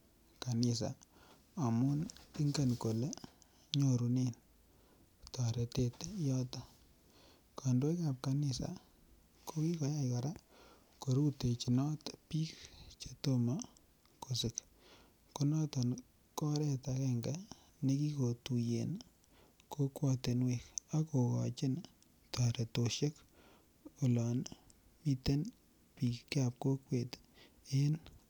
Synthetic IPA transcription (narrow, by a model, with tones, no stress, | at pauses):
ka˨nɪ˨sa̰˨ | a˨mʊ˦ni˦ŋɡa˨nko˨le˦ | ɲo˨ɾu˨ne˦n | tɔ˨ɾe˨te˦tjɔ˦tɔ˨ | kʰa˨ndo˦jka˨p̚ka˨nɪ˨sa̰˨ | ko˦ki˦kɔ˨˦ja˦ka˨ɾa˦ | ko˨ɾu˦te˨t͡ʃi˨nɔ˦tpi˦kt͡ʃeto˦ma˦ | ko˨sɪ˨k | ko˦nɔ˦tɔ˨n | kɔ˦ɾɛ˦takɛ˦ŋɡa | ne˦ki˦ko˨tu˨jḛ˨n | ko˦kwa˦te˨nwe˨ka˦ko˨kɔ̰˨t͡ʃɪ˦n | ta˨ɾe˨to˨ʃe˦k | o˨lɔ˨n | mi˦te˦n | pi˨kkjap̚ko˦kwe˨t | e˦n